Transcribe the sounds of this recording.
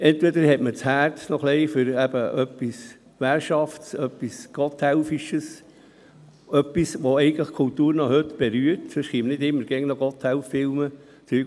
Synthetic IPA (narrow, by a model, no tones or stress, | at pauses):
ɛnt̪ʋɛd̪əɾhɛtmət͡shæːɾtnɔχlɛɪfʏɾæbəʔœpːis | ʋæɾʃɑfsœpːisɡ̥ɔt̪hɛʊfiʃəs | œpːisʋɔɛɪɡətləχkʰʊlt̪uːɾnɔhɵtb̥ɛɾyəɾtsɪʃχiːmənɪd̪ɪmːəɾɡ̥ɛŋnɔɡ̥ɔt̪hɛlfːɪlmə | t͡sy